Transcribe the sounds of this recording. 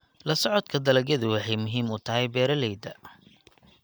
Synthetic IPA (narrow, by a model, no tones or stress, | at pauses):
lɐsɔʕɔd̪kʰɐd̪ɐlɐɡjɐðʊwɑħɑjmʊɦiːmʊt̪ʰɐɦɛjbɛːɾɐlɛjd̪ɐ